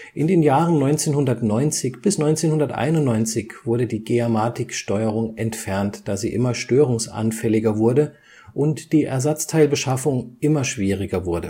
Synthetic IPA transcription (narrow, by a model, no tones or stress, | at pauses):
ʔɪndeːnjaːʁənnɔʏnt͡seːnhʊndɐtnɔʏnt͡sɪçb̥ɪsnɔʏnt͡seːnhʊndɐtʔa̰ɪnʊntnɔʏnt͡sɪçv̥ʊɐɾədiːɡ̥eamaːtʰɪkʃtɔʏəʁ̞ʊŋʔɛntfɛɐntd̥aːzḭːʔɪmɐʃtøːʁʊŋsʔa̰nfɛlɪɡɐvʊɐdə | ʔʊntd̥iːʔɛ̰ɐzat͡stʰaɪlbəʃafʊŋʔɪmɐʃv̥iːʁɪɡɐvʊɐdə